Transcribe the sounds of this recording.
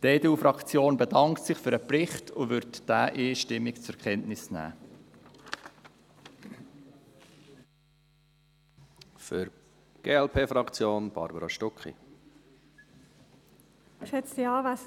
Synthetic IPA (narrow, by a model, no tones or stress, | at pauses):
d̥eːdufɾɑkt͡sjoːnbedɑŋktsɪχfʏɾəprɪχtʰʊʋʏɾtd̥æːʔeːʃtɪmːikt͡sʊɾkʰχɛntnɪsnæ̰ː | føɾ | ɡ̥eːɛlpʰeːfɾɑkt͡sjoːnb̥ɑ̰ɾbəɾɑʃtɔkχḭ | ʃɛt͡sdiɑːvæs